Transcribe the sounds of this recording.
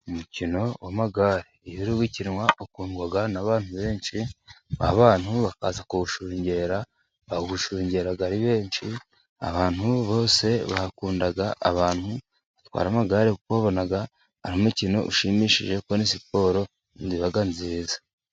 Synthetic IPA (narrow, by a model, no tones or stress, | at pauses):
umucino̞wʔamaɡaːɾejuɾiβwiciɾwaʔokuːŋɡwaɡanaβaːn̥huβe̞ːnʃia̰βaːn̥huβaka̰ːzakuɡuʃuːɲɟe̞ːɾa | βaɡuʃuːɲɟe̞ːɾaɡaɾiβe̞ːnʃi | a̰βaːn̥huβo̞ːse̞βakuːndaɡaʔa̰βaːn̥hu | βat̪wa̰ːɾamaɡaːɾekukβaβo̞naɡa | aɾimicino̞̰ʔuʃimiːʃḭʒe̞kwonisipo̞ːɾo̞ | nziβaɡanziːzḁ